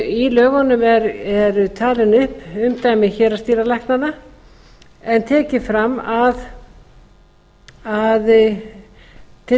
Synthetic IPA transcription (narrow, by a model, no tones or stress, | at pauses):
ilœːɣanʏmɛɾɛɾʏt̪ʰaːlɪnʏhpʏmt̪aːjmɪðçɛːɾast̪iːɾalajhknanːa | ɛnt̪ʰɛːcɪfɾamːað | að | t̪ʰɪ